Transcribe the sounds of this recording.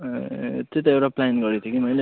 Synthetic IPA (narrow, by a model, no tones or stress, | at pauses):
t͡set̪ʌewɾaplanɡʌɾit̪ʰukimʌjle